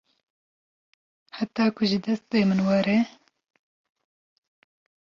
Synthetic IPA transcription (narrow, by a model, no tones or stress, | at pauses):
ħat̪ɑːkʰʊʒɨd̪ɐst̪̚peːmɨnwɐɾe